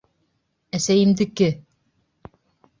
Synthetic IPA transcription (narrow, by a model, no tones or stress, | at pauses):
æsæjɘ̆md̪ɘ̆kːɘ